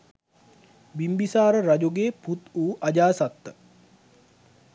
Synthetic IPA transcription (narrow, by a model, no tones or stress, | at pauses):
bimbisaːɾəɾad͡ʒoɡeːput̪uːʔad͡ʒaːsat̪ːə